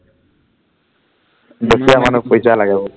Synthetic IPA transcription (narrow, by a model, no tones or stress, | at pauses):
dosiamanupojsalaɡɛbɔ